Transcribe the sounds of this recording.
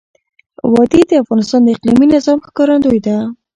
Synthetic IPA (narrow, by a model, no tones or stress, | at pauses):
wɑd̪id̪əafɣɑnɪst̪ɑnd̪əɪqliminɪzɑmxkɑɾand̪ojd̪a